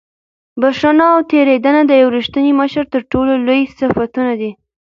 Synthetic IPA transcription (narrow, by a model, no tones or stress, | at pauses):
baʂənaːwt̪eɾed̪anad̪əjawɾiʃt̪əniməʃəɾt̪əɾʈololojsɪfat̪unad̪i